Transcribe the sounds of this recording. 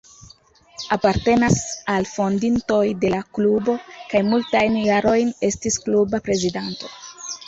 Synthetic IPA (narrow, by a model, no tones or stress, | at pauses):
apaɾte̞nasalfo̞ndinto̞jde̞laklubo̞kajmultajnjaɾo̞jne̞stisklubapɾe̞zidanto̞